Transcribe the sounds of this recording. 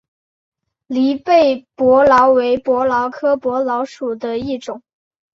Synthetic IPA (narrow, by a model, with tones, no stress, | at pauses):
li˧˥pe˥˩ɪpwɔ˧˥lɑ˧˥ʊwe˧˥ɪpwɔ˧˥lɑ˧˥ʊkʰɤ˥pwɔ˧˥lɑ˧˥ʊʂu˨˩d̪ə˦i˥˩ʈ͡ʂʊ˨˩˦ŋ